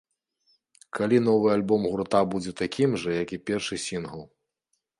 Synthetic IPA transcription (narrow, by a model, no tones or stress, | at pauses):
kalʲin̪ɔvɨjalʲbɔmɣuɾt̪abud͡zʲɛt̪akʲimʐɐjakʲipʲɛrʂɨsʲinɣɐlˠ